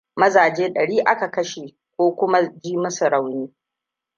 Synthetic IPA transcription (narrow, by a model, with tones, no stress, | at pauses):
mɐ˦zaː˨d͡ʒeː˦ɗɐ˨ɽiː˦ʔa˦ka˨kɐ˦ʃe˨ | kʷoː˦kʷʊ˦ma˦d͡ʒiː˦mʊ˦sʊ˨ɽa˨wniː˦